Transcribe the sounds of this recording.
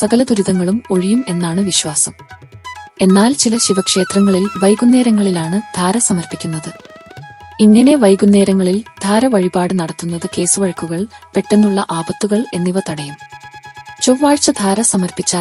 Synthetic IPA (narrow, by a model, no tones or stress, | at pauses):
sɐɣɐlɐd̪uɾuðɐŋːɐɭumo̞ɻijume̞nːaːɳɨʋiɕʋaːsɐm | e̞nːaːlt͡ɕilɐɕiʋɐkʂe̞ːt̪rɐŋːɐɭilʋɐjɡunːe̞ːɾɐŋːɐɭilaːɳɨd̪̥ʱaːɾɐsɐmɐrpikʲːunːɐðɨ | iŋːɐne̞ʋɐjɡunːe̞ːɾɐŋːɐɭild̪ʱaːɾɐʋɐɻibaːɽɨnɐɽɐt̪ːunːɐðɨke̞ːsuʋɐɻɐkːuɣɐɭpe̞ʈːe̞nːuɭːɐʔaːbɐt̪ːuɣɐɭe̞nːiʋɐt̪ɐɽɐjum | t͡ɕoʋʋːaːɻt͡ɕːɐd̪ʱaːɾɐsɐmɐrpit͡ɕːa